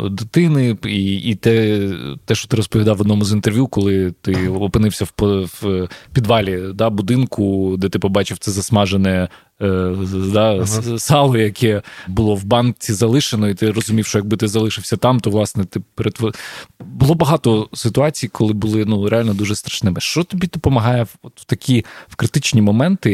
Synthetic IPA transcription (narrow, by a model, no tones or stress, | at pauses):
d̪ɪt̪ɪnɪiit̪ɛt̪ɛʃt͡ʃɔ̥t̪ɪɾɔspɔʋʲid̪ɑwɔd̪nɔmʊzint̪erʋʲjukɔlˠɪt̪ɪɔpɪnɪwsʲɐwpɔfpʲid̪ʋɑlʲid̪ɑbʊd̪ɪnkʊd̪ɛt̪ɪpɔbɑt͡ʃɪwt̪sɛzɐsmɑʒenɛ | d̪ɑsɑlˠɔjɐkʰɛbʊlˠɔwbɑnt͡sʲizɐlˠɪʃenɔit̪ɪrɔzʊmʲiwʃt͡ʃɔjɐɡ̚bɪt̪ɪzɐlˠɪʃɪwsʲɐt̪ɑmt̪ɔʋlˠɑsnɛt̪ɪpeɾet̪ʋɔbʊlˠɔbɐɦɑt̪ɔsɪt̪ʊɑt͡sʲijkʰɔlˠɪbʊlˠɪnuɾealʲnɔd̪uʒɛst̪ɾɐ̥ʃnɪmɪʃt͡ʃɔt̪ɔbʲid̪ɔpɔmɐɦɑjɛɔt̪wt̪ɐkʲʰiwkɾɪt̪ɪt͡ʃnʲimɔmɛnt̪ɪ